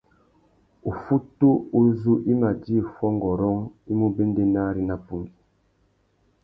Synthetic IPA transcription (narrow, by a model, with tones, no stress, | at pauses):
o˨fu˦tu˦o˦zu˦ʔi˦ma˨di˦˨fɔ˦ŋ˦ɡɔ˨ɾɔ˦ŋi˦mu˦be˦n˦de˦na˦ɾi˦na˨pu˦ɡi˨